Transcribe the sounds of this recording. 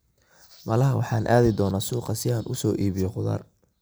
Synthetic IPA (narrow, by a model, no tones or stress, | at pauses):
mɐlɐɦɐwʔɑħɑːnʔaːðɪd̪ɔːnaːsuːqɑsɪaːnʔʊsɔːʔiːβɪjɔqʊðɐ̰ːr